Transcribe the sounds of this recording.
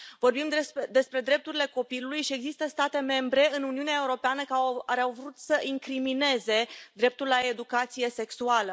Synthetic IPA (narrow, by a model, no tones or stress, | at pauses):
vo̞rbimd̪esd̪e̞spɾe̞d̪ɾe̞p̚t̪uɾile̞ko̞pilulujʃie̞ɡzist̪əst̪at̪e̞me̞mbɾe̞ɨnuniuneae̞uɾo̞peanəkaaɾeawvɾut̪səʔiŋkɾimine̞ze̞d̪ɾe̞p̚t̪ulːae̞d̪ukat̪sije̞se̞ksualə